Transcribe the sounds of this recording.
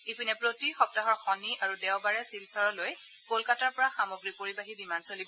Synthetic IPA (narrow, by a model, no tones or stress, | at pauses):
epʰinɛpɹotixɔp̚taɦɔɹxɔniʔaɹudɛwbaɹɛsilsɔɹɔloj | kolkataɹpɔɹaxamoɡɹipoɹibaɦidimansolibɔ